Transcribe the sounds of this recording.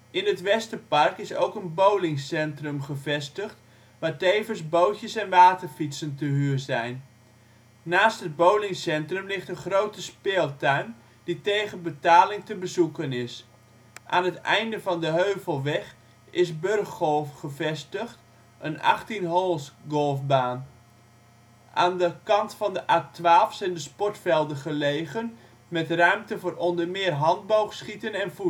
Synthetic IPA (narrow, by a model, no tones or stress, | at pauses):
ɪnətʋɛstəpɑrkɪso̰wkənbowlɪŋsɛntrəmχəvɛstəχt | ʋaːɹtejvəɹsbowcəsɛnʋaːtərfitsəntəɦyːrzɛjnː | aːstɦəd̚bowlɪŋsɛntrɵmlɪχtənχrowtəspɪːlˠtœɥn | d̥itejχənbətaːlɪŋtəbəzukənɪs | ʔa̰ːnətɛ̰jndəvɑndəɦøɥvəlˠʋɛχ | ɪsbørχːɔlˠfχəvɛstəχt | ʔənʔɑ̰χtinɦɔlˠsɡɔlˠfbaːn | ʔaːndəkɑntfɑndəʔaːtʋaːlˠfsɛjndəspɔɹtfɛlˠdəχəlejɣən | mɛtrœɥmtəvʊːrɔndərmɪːrɦɑnd̚bolˠχsχitənɛnfu